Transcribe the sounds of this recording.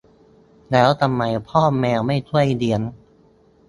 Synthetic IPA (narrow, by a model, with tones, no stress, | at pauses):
lɛː˦˥wt̪ʰa˧mːa˧jpʰɔː˥˩mːɛː˧wma˥˩jt̪ʰu˥˩əjdi˧˩ən